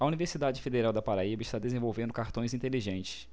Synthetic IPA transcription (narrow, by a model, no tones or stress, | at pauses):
ɐuniveɾsid̪ad͡ʒɪfed̪eɾawd̪ɐpaɾaibɐɪʃt̪ad̪ezẽvowvẽnd̪ʊkaɾt̪õj̃zĩt̪eliʒẽnt͡ʃɪ̥s